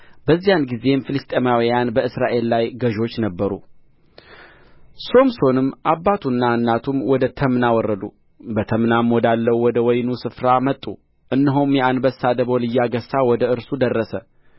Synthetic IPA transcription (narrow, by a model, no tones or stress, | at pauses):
b̥əzːijanɡize̞mfɨlɨst̪ʼemawijanbəɨsɾaʔe̞lːajɡəʒo̞t͡ʃːnəbːəɾṵ | so̞mso̞nɨmːʔabːat̪ʰunːaɨnːat̪ʰumwɔd̪ət̪ʰəmnawɔrːəd̪u | bət̪ʰəmnamɔd̪alːəwwɔd̪əwɔjnusɨfɾamət̪ʼːṵ | ʔɨnːɨɦomjɛanbəsːad̪əβo̞lɨjːaɡəsːawɔd̪əɨɾsud̪ərːəsə